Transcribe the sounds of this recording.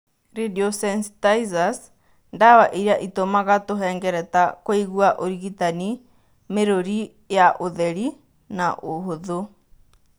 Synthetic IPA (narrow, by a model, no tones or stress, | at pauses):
ɾediosɛnstaizas | ndawaʔiɾiaʔitomaɣatoɦɛːŋɡɛɾɛtakoiɣuaʔoɾiɣitani | meɾoɾi | jaʔoðɛɾi | naʔoɦoðo